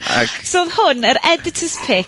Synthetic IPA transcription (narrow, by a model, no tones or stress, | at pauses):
ʔa̰ksoːðhʊnəɾɛdɪtʰəspʰɪ